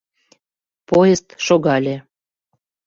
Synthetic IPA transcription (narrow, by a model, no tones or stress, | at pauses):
pojest̪ʃoɣɑlʲe